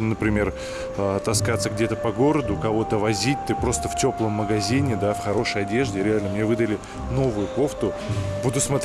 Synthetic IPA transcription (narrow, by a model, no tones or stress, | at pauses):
nəpɾʲɪmʲe̞r | ət̪ɐskat̪səɡdʲe̞t̪əpɐɡo̞ɾəd̪ʊkɐvo̞t̪əvɐzʲit̚ʲt̪ɨpɾo̞st̪əftʲo̞plˠəmːəɡɐzʲinʲɪd̪afxɐɾo̞ʂəjɐdʲe̞ʐdʲɪɾʲɪalʲnəmnʲe̞vɨd̪əlʲɪ | no̞vʊjʊpo̞ft̪ʊ | bud̪ʊsmɐt̪